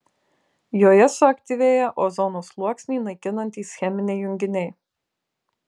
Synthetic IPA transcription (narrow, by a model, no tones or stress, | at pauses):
joːjɛsʊɐkʲt̪ʲiʋʲeːjɛʔoːzɔnoːslˠuɔksʲnʲiːnɐɪkʲɪnɐnʲt̪ʲiːsxʲɛmʲɪnʲɛɪjʊŋʲɡʲɪnʲɛɪ